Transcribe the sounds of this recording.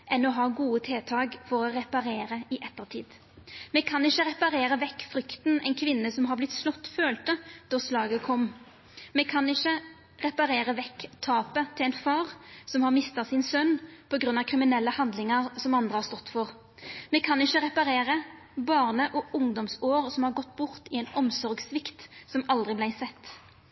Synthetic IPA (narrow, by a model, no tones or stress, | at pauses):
ʔɛnːɔɦɑːɡuːət̪ʰeːt̪ʰɑːɡfɔɾɔʁɛpɑɾeːɾəɪʔɛt̪ːəʁt̪ʰḭːd̪ | mɛkʰɑnɪçəɾɛpɑɾeːɾəʋɛkːfɾʏkt̪nɛɪnkʰʋɪnːəsɔmɦɑblɪt̪ːslɔt̪ːføːlt̪əd̪̥ɔslɑːɡəkʰɔmː | mɛkʰɑnɪçːə | ʁɛpɑɾeːɾəʋɛkt̪ʰɑːpət̪ʰɪlɛɪnfɑːʁsɔmhɑʁmɪst̪ɑsɪnsœnpʰɔɡɾʁʉnːɑkʰʁɪmɪnɛlːəhɑnd̪lɪŋəʁsɔmɑnd̪ʁəhɑːʁst̪ɔt̪ːfɔʁ | mɛkʰɑnɪçəʁɛpɑɾeːʁə | bɑːʁnəʔɔʊŋd̪ɔmsoːʁsɔmhɑʁɡɔt̪ːbʊʁt̪ɪɛɪnɔmsɔɾɡsʋɪkt̪sɔmɑld̪ʁɪblæɪsɛt̪ː